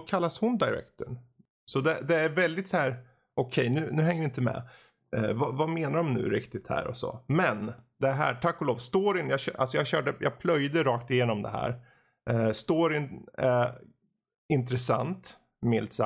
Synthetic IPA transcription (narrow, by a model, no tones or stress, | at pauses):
kʰalːashʊnd̪aɪɾɛ̰kt̪əɳ | sɔd̪ɛd̪ɛæɾvɛld̪ɪt̪shæːɾ | ʔɔkʰɛjnʉ̟ːnʉ̟ːhɛŋːəvɪɪnt̪əmɛ̰ | vavameːnaɖɔmnʉ̟̰ːɾɪkt̪ɪt̪hæ̰ːɾɔ̰sɔ̰mɛnd̪ɛɦæ̰ːʈʰakːɔloːvst̪oːɾɪnjɑːɡɕœ̰ːʔa̰lsɔjɑːɡɕœːɖəjɑ̰ːɡ̚pʰlœjd̪əɾɑːkt̪ɪjeːnɔmd̪ɛ̰ɦæ̰ːɾ | st̪oːɾɪn | ɪnt̪ɾɛsa̰nt̪ | mɪlt̪sa